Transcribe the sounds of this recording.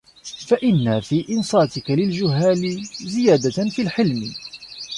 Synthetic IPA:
faʔɪnːafiːʔɪnsˤɑːt̪ɪkalɪld͡ʒʊɦːaːlɪzɪjaːd̪afiːlħɪlmɪ

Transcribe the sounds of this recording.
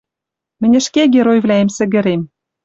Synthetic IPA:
mɘ̆nʲɘ̆ʃkeɣeɾojvlʲæemsɘ̆ɣɘ̆ɾem

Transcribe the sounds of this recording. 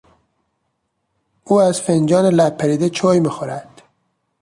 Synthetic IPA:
uːæzfend͡ʒɒːnelæb̚pʰːæɾiːd̪et͡ʃʰoːjmixoɾæd̪̥

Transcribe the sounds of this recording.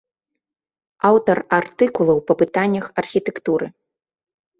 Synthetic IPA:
awt̪ɐrart̪ɨkulˠɐwpɐpɨt̪anʲːɐxɐrxʲit̪ɛkt̪uɾɨ̰

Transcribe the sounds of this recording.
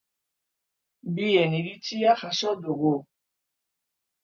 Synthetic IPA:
bijɛniɾitijaxasɔdoɡo

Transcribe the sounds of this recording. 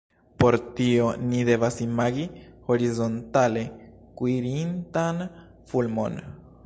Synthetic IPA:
poɾt̪ioniðeβasimaɡihoɾizont̪alekwiɾint̪an | fulmo̰n

